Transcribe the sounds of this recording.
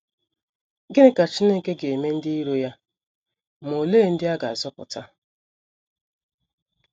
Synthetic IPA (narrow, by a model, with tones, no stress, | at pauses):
ɡe˦ɾe˦ka˨t͡ʃi˦ne˦ke˦ɡe˨me˦n̩˦dɪ˦i˦ɾo˦ja˦ | m˨o˨leː˦˨n̩˦dɪ˦a˦ɡa˨a˨zɔ˦pʊ̰˨ta˦